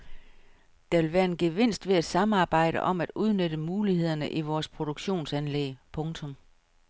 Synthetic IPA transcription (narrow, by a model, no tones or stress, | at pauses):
d̥ɑ̈ʋe̝lʋæːɐe̝nɡ̥eʋen̰sd̥ʋe̝æd̥sɑ̈mɑ̈ːb̥ɑ̈ɪ̰ɾə̰ʔɒ̽mæd̥uð̞ˠnød̥əmuːlihe̝ð̞̰ˠɐnəʔiʋɒːspʰʁo̝d̥oɡ̥ɕo̝̰ːnsænleːpʰɔ̽ŋt͡sʰɔ̽m